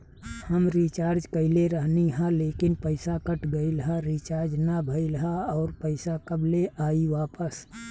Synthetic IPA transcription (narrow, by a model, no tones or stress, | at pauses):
həmɾit͡ʃaːɾd͡ʒkəɪleɾəɦniɦɛ̃leːkɪnpəɪsakəʈɡəiləɦaɾit͡ʃaːɾd͡ʒnabʱəɪlɦaɔːɾpəɪsakəbleʔaːiʋaːpəs